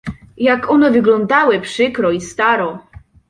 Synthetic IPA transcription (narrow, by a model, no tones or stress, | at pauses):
jakɔnɛvɘɡlɔnd̪awɘpʂɘkɾɔist̪aɾɔ